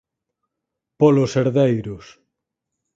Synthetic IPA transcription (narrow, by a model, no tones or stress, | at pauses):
polʊseɾðejɾʊs